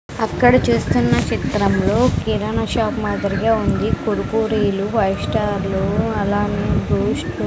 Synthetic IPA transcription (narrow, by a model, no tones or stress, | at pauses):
ɐkːɐɽɐt͡ʃuːst̪unːɐt͡ʃit̪ɾɐmlo̞ːkiɾɐnɐʃaːpmaːd̪ɐɾiɡaːund̪ikoɾukuːɾiːluʋɐjiʂʈaːɾluɐlaːneːbɾuːʂʈ